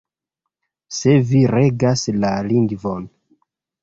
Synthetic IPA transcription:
se̞viɾe̞ɡaslaliŋɡvo̞n

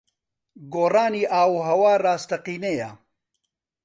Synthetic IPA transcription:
ɡoːraːniːʔaːwɦɐwaːraːst̪ɐqiːneja̰

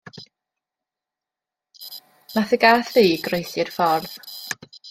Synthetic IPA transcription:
naθɪɡaθiːɡrejθɪrfɔrð̥

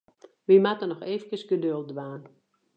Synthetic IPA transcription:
ʋimatənɔxeːvəkəsɡədøl̚ˠdʋaːn

